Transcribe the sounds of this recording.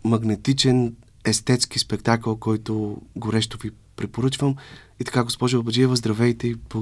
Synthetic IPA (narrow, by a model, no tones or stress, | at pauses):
mɐɡnɛt̪it͡ʃɛn | ɛst̪ɛt̪skispɛkt̪akəlˠkɔjt̪oɡoɾɛʃt̪ovi | pɾɛpoɾɤt͡ʃvəm | it̪ɐ̥kaɡospɔʒʊɐbəd͡ʒiɛvəzd̪ɾɐvɛjt̪ɛipo